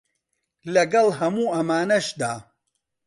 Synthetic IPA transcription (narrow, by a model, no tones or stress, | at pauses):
lɐɡɐlˠɦɐmuːʔɐmaːnɐʃd̪aː